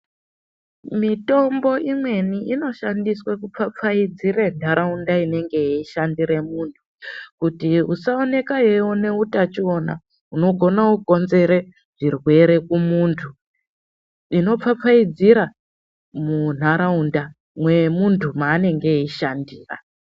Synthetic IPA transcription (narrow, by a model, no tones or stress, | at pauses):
mito̞mbo̞ʔimwe̞niino̞ʃandiswakup͡fap͡faid͡zire̞n̤aɾaundaine̞ŋɡe̞iʃandiɾe̞muːntʰu̥kutiusaone̞kajewone̞utat͡ʃio̞na̰ | uno̞ɡʱo̞nauɡʱo̞nze̞ɾe̞ | ʐirwe̞ɾe̞kumuntʰu | ino̞p͡fap͡faid͡ziɾa | mun̤aɾaunda | mwe̞muntʰumaːne̞ŋɡe̞iʃandiːra̰